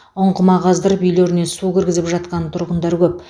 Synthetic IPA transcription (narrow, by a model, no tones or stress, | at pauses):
ʊɴqəmɑʁɑzd̪əɾəpʏjleɾɪne̞sukʲʰɪɾɡʲɪzɪpʒɑt̪̚qɑnət̪ʰʊɾʁənd̪ɑɾkʲʰɵp̚